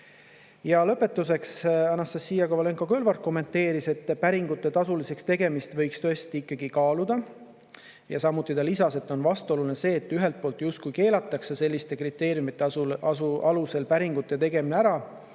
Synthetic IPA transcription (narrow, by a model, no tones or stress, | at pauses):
jɑlɤ̞pːe̞t̪ːˑus̬e̞ksɑnːɑst̪ɑsːijɑɡɑvɑle̞ŋko̞kø̞lvɑrt̪̚ko̞mːe̞nt̪ːˑe̞ːɾise̞t̪ːˑpæɾiŋɡut̪ːˑe̞t̪ɑsulise̞kst̪e̞ɡ̥e̞mist̪vɤ̞jkst̪øest̪iikˑːɑɡ̥ikɑːlud̪̥ɑ | jɑsɑmːut̪ːˑit̪ɑlisɑse̞t̪ːˑo̞nvɑst̪o̞lulinese̞ːt̪ːˑyɦe̞lt̪̚po̞ːlt̪just̪̚kujke̞ːlɑt̪ːˑɑkse̞se̞lːist̪e̞krit̪ːˑe̞ːɾjumit̪ːˑe | ɑluse̞lpæɾiŋɡut̪ˑːe̞t̪e̞ɡe̞mineæɾɑ